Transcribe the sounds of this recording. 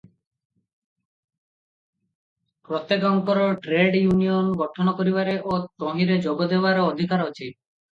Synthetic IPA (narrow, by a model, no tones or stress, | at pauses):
pɾɔt̪ːekɔŋkɔɾɔʈɾeɖjunijɔnɡɔʈʰɔnɔkoɾibaɾeʔot̪oɦĩɾed͡ʒoɡɔd̪ebaɾɔɔd̪ʱikaɾot͡ʃʰi